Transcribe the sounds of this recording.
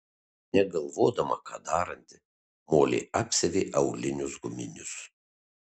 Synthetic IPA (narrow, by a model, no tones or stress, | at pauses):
nʲɛɡɐlˠʋoːd̪ɐmɐ̰kʰɑ̰ːd̪ɑːɾɐnʲt̪ʲɪ̥ | moːlʲḛːɑpʲsʲɛʋʲeːʔɐʊɡlʲɪnʲʊsɡʊmʲɪnʲʊs